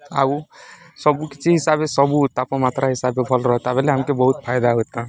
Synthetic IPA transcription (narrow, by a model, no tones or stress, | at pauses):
a̰u | səbuki̥t͡ʃʰiɦisabesəbut̪apɔmat̪ɾaɦisabebʱɔlɾɔɦɛt̪abɛleɦəmkebəɦut̪̚pʰajd̪aɦot̪ã